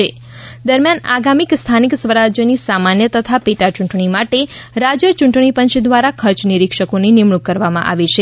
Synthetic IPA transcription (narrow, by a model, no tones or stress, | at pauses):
e | d̪əɾmjana̰ɡamikst̪ʰaniksʋəɾad͡ʒjənisamanjət̪ət̪ʰapeʈat͡ʃũɳʈɳimaʈeɾad͡ʒjət͡ʃuɳʈɳipənt͡ʃʰd̪ʋaɾakʰəɾt͡ʃniɾikʃəkonenimɳukːəɾʋamã̰ʔa̰ʋit͡ʃʰe